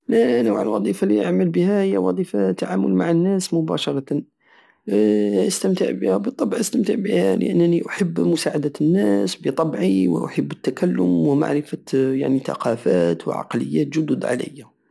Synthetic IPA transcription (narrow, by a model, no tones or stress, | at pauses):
lænəwʕəlwɑd̪ˤifaliʔaʕməlbəhæhəjːæwɑd̪ˤifat̪ːaʕamʊ̰lmaʕənːæsmʊbæʃɑɾˤɑt̪ | ʔəst̪əmt̪əʕbəhæbət̪ˤːɑbʕʔəst̪əmt̪əʕbihælə̰ʔənːəniʔʊħəbːmʊsaʕad̪ænːæsbət̪ˤɑbʕiwə̰ʔʊ̰ħəbːət̪ːakælːʊmwəma̰ʕɾɪfæja̰ʕnit̪ɑ̰qɑfæt̪wə̰ʕɑ̰qləjːæt̪ʒʊd̪ʊd̪ʕa̰lə̰jːæ